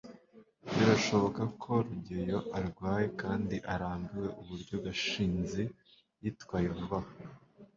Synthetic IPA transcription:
βiɾaʃo̞βo̞kakʰo̞ɾuɟejo̞ʔaɾɡwaːje̞kaːndiʔaɾaːmbiwe̞ʔuβuɾɟoɡaʃiːnze | jitkwaːjeβuβaho

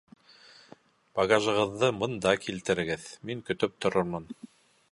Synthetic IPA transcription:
b̥ɑɡaʒɤ̆ʁɤ̆ðːɤbɤ̆nd̪ɑkilt̪ɘ̆ɾɘ̆ɡɘðmiŋkɵ̆t̪ɵp̚t̪ŏɾoɾmɤn

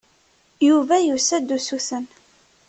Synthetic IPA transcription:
juvæjusæd̪ːusuθən

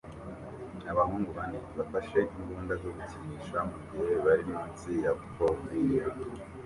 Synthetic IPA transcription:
aβahuːŋɡuβaniβafaʃe̞imɡuːndazoɡuciniːʃamuɡihe̞βaɾinimut͡sijakukʰomija

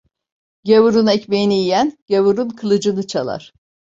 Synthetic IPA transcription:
ɟevuɾunɛcmejiniijænɟ̥evuɾunkʰɯlˠɯd͡ʒɯnɯt͡ʃʰalˠa̰ɾ̥

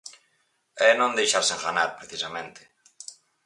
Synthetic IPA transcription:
ɛnõnd̪ejʃaɾseŋɣanaɾpɾeθisamẽnt̪ɪ̥

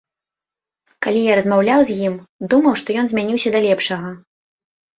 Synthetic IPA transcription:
kalʲijaɾɐzmawlʲawzʲjimd̪umɐwʂt̪ɔjɔnzʲmʲanʲiwsʲɐd̪ɐlʲɛpʂɐɣɐ

